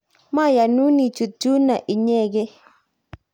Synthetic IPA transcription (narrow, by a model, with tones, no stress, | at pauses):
ma˦ja˨nu˦ni˨t͡ʃu˨tu˦na˨ʔi˨ɲɛ˦ɡɛ˦